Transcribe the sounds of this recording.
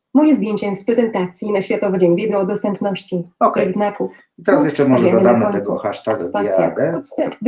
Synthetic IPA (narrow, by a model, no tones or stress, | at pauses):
mujʲɛzbʲjeɲt͡ɕɛspɾɛzɛnt̪at̪sʲjinaɕfʲjat̪ɔvɛd͡ʑɛɲvʲɛd̪ɔːd̪ɔst̪ɛmpnɔɕt͡ɕiɔkɛɡznakuf | it̪ɛɾasjɛʂt͡ʂɛmɔʐɛɛd̪ɔd̪amt̪ɛɡɔxaʂt̪aɡaaɛa̰d̪ɛɔɛ